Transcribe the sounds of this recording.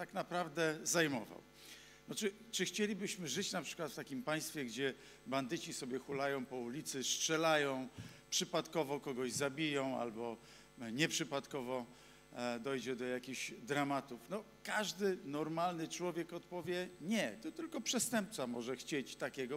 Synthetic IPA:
t̪aknapɾavd̪ɛzajmɔva̰w | nɔt͡ʂɘ | t͡ʂɘxt͡ɕelʲibɘɕmɘʐɘt͡ɕnapʂɘ̥kwat̪ft̪akʲimpaj̃st̪fʲjɛɡd͡ʑɛ | band̪ɘt͡ɕisɔbʲjɛxulajɔ̃w̃pɔulʲit̪sɘstʂɛlajɔ̃w̃ | pʂɘpat̪kɔvɔkɔɡɔʑzabʲijɔ̃w̃a̰lbɔ | ɲɛpʂɘpat̪kɔvɔ | d̪ɔjd͡ʑɛd̪ɔjakʲiɕd̪ɾamat̪ufnɔ | kaʐd̪ɘnɔɾmalnɘt͡ʂwɔvʲjɛkɔt̪pɔvʲjɛɲɛt̪ɔt̪ɘlkɔpʂɛst̪ɛmp̚t̪samɔʐɛxt͡ɕet͡ɕt̪akʲɛɡɔ

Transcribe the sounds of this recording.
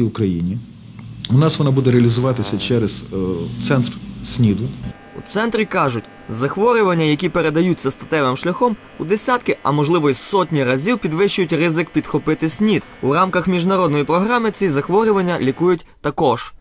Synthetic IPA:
iʊkɾɐjinʲi | ʊnɑsʋɔnɑbud̪ɛɾeɐlʲizʊʋɑt̪ɪsʲɐt͡ʃɛɾɛzt̪sɛnt̪rsʲnʲid̪ʊ | ṵt̪sɛnt̪ɾʲikɑʒʊtʲ | zɐxʋɔɾʲʊʋɐnʲːɐjɐkʲipeɾe̞d̪ɐjutʲt͡sʲːɐst̪ɐt̪ɛʋɪmʃlʲɐxɔm | ud̪esʲat̪kɪɐ̰mɔʒlˠɪʋɔisɔtʲnʲiɾɐzʲiwpʲid̪ʋɪʃt͡ʃʊjʊtʲrɪzɪkpʲid̪xɔpɪt̪ɪsʲnʲid̪urɑmkɐxmʲiʒnɐɾɔd̪nɔjipɾɔɦɾɑmɪt͡sʲizɐxʋɔɾʲʊʋɐnʲːɐlʲikujʊtʲt̪ɐkɔʒ̥

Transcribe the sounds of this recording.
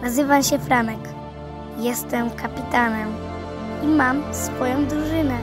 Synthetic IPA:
nazɘvamɕɛfɾanɛk | jɛst̪ɛmkapʲit̪anɛm | imamsfɔjɔ̃w̃d̪ɾuʐɘnɛ

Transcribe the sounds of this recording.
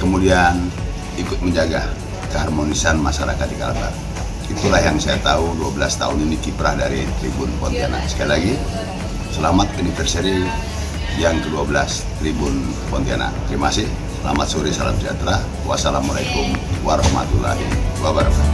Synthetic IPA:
kəmudian | ikʊt̪̚məɲd͡ʒaɡa | kəɦarmonisanmasaɾakat̪̚dikala̰t̪a̰r | it̪ulaɦjaŋsajat̪auduabəlast̪a̰uninikipɾahdaɾit̪ɾibunpɔ̰nt̪iana̰sə̥kailaɡi | səlamat̪unifɛrsɛɾi | jaŋkəduabəlas | t̪ɾibʊn | pɔnt̪ia̰na̰t̪ɾimasih | səlamat̪̚suɾisala̰mt͡ʃiat̪ɾa | wa̰salamalaikʊmwaɾɔma̰t̪ula̰ɦḭwabaɾka

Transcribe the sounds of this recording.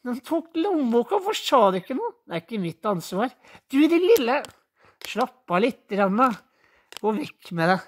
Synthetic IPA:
mɛnt̪ʰuːkt̪lumbuːkɑfɔʂtɑːd̪ɪkːənuːd̪æɾɪkːəmɪt̪ːɑnːsʋɑːɾ | d̪̥ʉd̪ɪnlɪlːə | ʂlɑpːɑlɪt̪ːəɾɑnːə | ɡ̥oːʋɛkːmɛd̪ɛ

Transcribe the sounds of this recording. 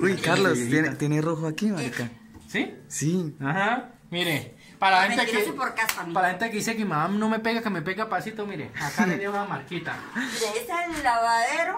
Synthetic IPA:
ujkkaɾlost̪jenet̪jeneroxoakimaɾika | sisiaha | miɾe | paɾlahenekeepoɾkasappaɾlae̞nt̪ekeðisekimaamno̞me̞peɣakemepeɣapasit̪omiɾḛakameðjeunamaɾkit̪a̰ | deesellaβaðeɾo

